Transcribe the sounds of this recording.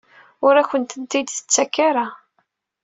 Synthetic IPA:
ʊɾæçənt̪ənt̪id̪θə̥t͡sːækːaɾa

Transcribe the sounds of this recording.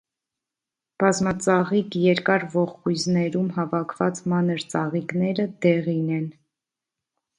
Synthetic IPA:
b̥ɑzmɑt͡sɑʁikjɛɾkɑɾvɔχkujznɛɾumɦɑvɑkʰvɑt͡smɑnəɾt͡sɑʁiknɛɾəd̪ɛʁinɛn

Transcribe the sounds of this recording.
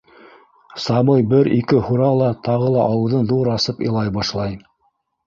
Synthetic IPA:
sɑmɤjbɘɾikɘhuɾɑlˠɑt̪ɑʁɤlˠɑʔɑwɤ̆ðɤnðuɾɑsɤpḭ̆lˠɑjbɑʃlˠɑj

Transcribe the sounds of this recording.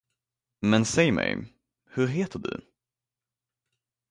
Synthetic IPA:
mɛnsɛjmɛ̰j | hɵɾɦeːt̪ʰəɖɵ̰

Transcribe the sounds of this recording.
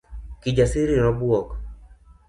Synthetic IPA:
kid͡ʒasiɾinɔbwɔk

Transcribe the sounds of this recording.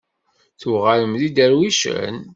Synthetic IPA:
θuʁæləmðid̪əɾwiʃə̰n

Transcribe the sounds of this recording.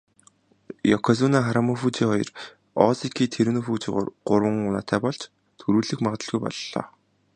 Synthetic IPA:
jɔkʰɔz̬unaχaɾamɔfut͡ɕiχɔjɞ̰r | ɔsikʰiːt̪ʰeɾɘnofuːt͡ɕiʁo̰ːrɢʊrwə̆ŋʊna̰ːt̪ʰæːpɔɮt͡ɕ | t̪ʰɵɾuːɮɘ̆xmaʁt̪ə̆ɮɣujpɔ̰ɮːɔ̰ː

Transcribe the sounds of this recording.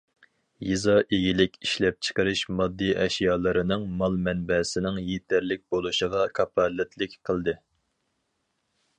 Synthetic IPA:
jizɑʔeɡʲilɪkʲiʃlɛp̚t͡ʃʰə̥qəɾɨʃmɑd̪ːijʔɛʃjɑːlˠɨɾɨnɨŋmɑlˠmɛnbɛsɪnɪŋjet̪ʰæɾlɪk̚ʲbolˠuʃəʁɑkʰɑpʰɑlːɪt̪ʰlɪkʲqʰəlˠd̪ɨ

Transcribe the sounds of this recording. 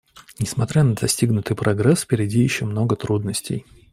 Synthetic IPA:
nʲɪsmɐt̪ɾʲanəd̪ɐsʲtʲiɡnʊt̪ɨjpɾɐɡɾɛsfʲpʲɪɾʲɪdʲijɪɕːomno̞ɡət̪ɾud̪nəsʲtʲɪ̰j

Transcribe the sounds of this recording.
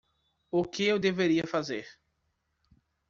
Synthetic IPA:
ʊkɪewd̪eveɾiɐfazeɾ

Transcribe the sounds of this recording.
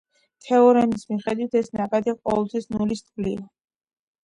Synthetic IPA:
t̪ʰɛɔɾɛnismiχɛd̪wit̪ʰɛsnakʼad̪iqʼɔ̰vɛlˠt̪ʰwisnulist̪ʼɡlia

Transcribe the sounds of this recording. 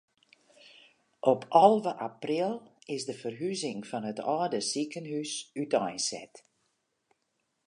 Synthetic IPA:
ʔɔpʰɔlˠvəʔaprilˠɪsdəfərɦyzɪŋfɔnətɔːdəsikənhysytɔjnsɛ̰t

